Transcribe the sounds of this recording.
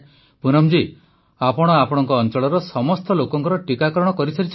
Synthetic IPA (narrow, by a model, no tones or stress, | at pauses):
punɔmd͡ʒi | apɔɽ̃ɔapɔɽ̃ɔŋkɔːnt͡ʃɔɭɔɾɔsɔmɔst̪ɔlokɔŋkɔɾɔʈikakɔɾɔɽ̃ɔkɔɾit͡ʃʰɔɾit͡ʃʰ